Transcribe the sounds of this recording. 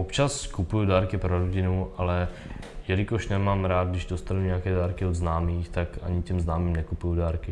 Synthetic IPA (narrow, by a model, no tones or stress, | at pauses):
ʔopt͡ʃaskupujudaːɾkɪpɾoɾoɟɪnuʔalɛ | jɛlɪkoʃnɛmaːmɾaːd̪̚ɡdɪʒdost̪anuɲɛakɛːdaːɾkɪod̪znaːmiːxt̪akʔa̰ɲɪcɛmznaːmiːmnɛkupujudaːɾkɪ